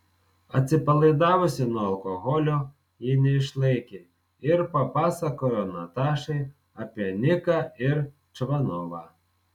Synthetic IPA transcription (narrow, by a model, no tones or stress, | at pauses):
ɐt͡s̪ʲɪpɐlˠɪd̪ɑʋɔsʲinɔɐlˠkɔɦɔlʲʊ | jinɪʃlˠɪkʲɪ | irpɐpɑsɐkɔjɔnɐt̪ɑʃɪj | ɐpʲjɐnʲɪkɐir | t͡ʃʋɐnɔʋɐ